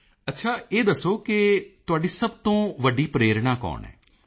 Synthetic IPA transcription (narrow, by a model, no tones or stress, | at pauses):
ətːʃʰaːeːd̪əsːoːkɪt̪ʊaːɖiːsəbt̪õːʋəɖiːpəɾeːɾɳaːkɔ̰ːɳɦɛ̰ː